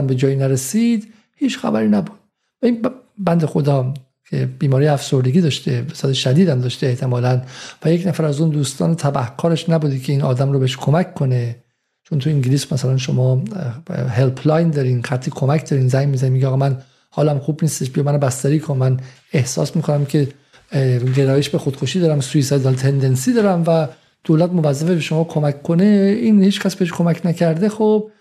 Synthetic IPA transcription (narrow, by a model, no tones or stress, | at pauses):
æmbe̞d͡ʒɒːjinæɾesid̪ | hiːt͡ʃxæ̰bæɾiːnæbud̪̥̚ | væinbænd̪e̞xod̪ɒː | cʰeb̥iːmɒːɾijeæfso̞ɾd̪eɡiːd̪ɒːʃt̪e̞vesɒːd̪eʃæd̪iːd̪æmd̪ɒːʃt̪eeht̪ʰe̞mɒːlænvæjecnæfæɾæzuːnd̪uːst̪ɒ̰ːnet̪ʰæbæhkʰɒːɾeʃnæbuːd̪ikʰe̞iːnɒ̰ːd̪æmɾobeeʃkʰo̞mækʰːo̞ne | t͡ʃʰont̪ʰuiŋɟiliːsmæsælænʃ̬omɒː | helpʰlɒjnd̪ɒːɾinxæt̪ʰːikʰomæcʰd̪ɒːɾiːnzæjnmizænimːiɟeːɣːmæn | hɒːlæmxuːbniːst̪eʃbijɑmænobæst̪æɾiːkʰonmæn | ehsɒ̰ːsmiːkʰonæmcʰe̞ | ɡeɾɒːjeʃbexod̪̥kʰoʃiːd̪ɒːɾæmsuisɒːd̪ɒːlt̪ʰend̪ensiːd̪ɒːɾæmvæ | d̪̥oːlæt̪movæzːæfebeʃo̞mɒːkʰomækʰːo̞ne̞iːnhiːt͡ʃcʰʲkʰæsb̥eeʃkʰo̞mæcʰnæcʰæɾd̪exob̚